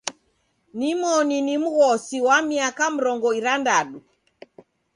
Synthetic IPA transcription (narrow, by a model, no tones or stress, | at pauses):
nimɔninim̩ɣɔsiwamiakam̩ɾɔŋɡɔiɾandaɗu